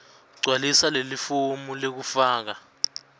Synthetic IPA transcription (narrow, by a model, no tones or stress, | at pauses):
ɡ͡ǀʱwalisalelifomulek̬ufaːk̬a